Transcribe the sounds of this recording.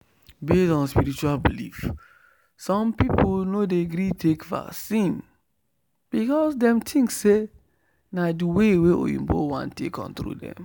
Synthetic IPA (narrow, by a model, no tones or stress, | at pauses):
betɔ̃nspiɾit͡ʃualbilif | sɔ̃mpipolnodeɡɾitekva̰ksĩn | b̥ikɔsdɛ̃mtʰĩŋkse | nadiweweʔo̰jḭ̃mbo̰wã̰ntekɔ̰̃ntɾṵdɛ̰̃m